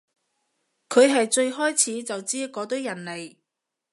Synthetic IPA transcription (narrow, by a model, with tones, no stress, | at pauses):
kʰɵ˨˧ɥɦɐ˨jt͡ʃɵ˧ɥɦɔː˥jt͡sʰiː˨˥t͡sɐ˨wt͡siː˥kɔː˨˧˥t̪̬ɵ˨˥wjɐ˨˩nle˨˩j